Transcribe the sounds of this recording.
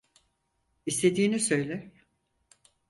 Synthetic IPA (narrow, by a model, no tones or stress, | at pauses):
ist̪ʰe̞d̪iːnisø̞jlʲæɾ